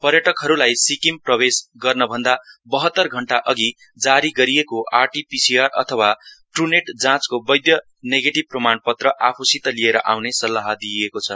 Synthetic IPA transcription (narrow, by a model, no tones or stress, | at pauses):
pʌɾjʌʈʌkɦʌɾulajsikimprʌbesɡʌrnʌbʱʌnd̪abʌɦʌt̪ːʌrɡʱʌɳʈaʔʌɡi | d͡zaɾiɡʌɾijekoʔarʈipisiarʌ̰t̪ʰʌwaʈruneʈd͡zãt͡skobʌjd̪jʌ | neɡeʈib̚prʌmanpʌt̪rʌʔapʰusit̪ʌlijeɾʌʔa̰wnesʌlːaɦʌd̪iekot͡sʰʌ